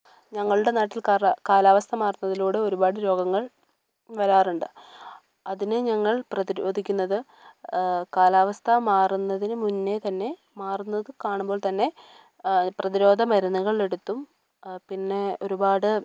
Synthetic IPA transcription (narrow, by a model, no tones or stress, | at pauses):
ɲɐŋːɐɭuɽe̞naːʈːilkakaːlaːʋɐst̪ʰɐmaːrunːɐðiluːɽeo̞ɾubaːɽɨɾo̞ːɡɐŋːɐɭ | ʋɐɾaːruɳɖɨ | ɐðineɲɐŋːɐɭprɐðiɾo̞ːd̪ʱikʲːunːɐðɨ | kaːlaːʋɐst̪ʰɐmaːrunːɐðinɨmunːe̞t̪ɐnːe̞ | maːrunːɐðɨkaːɳumbo̞ːɭt̪ɐnːe̞ | prɐðiɾo̞ːd̪ʱɐmɐɾɐnːɐɣɐɭle̞ɽut̪ːum | pinːe̞o̞ɾubaːɽɨ